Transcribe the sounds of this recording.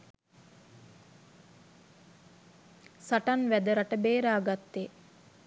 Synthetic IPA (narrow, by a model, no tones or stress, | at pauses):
saʈanʋæd̪əɾaʈəbeːɾaːɡat̪ːe